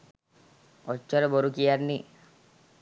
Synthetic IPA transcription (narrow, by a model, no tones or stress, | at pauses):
ɔt͡ʃːɔɾeboɾukijaɾni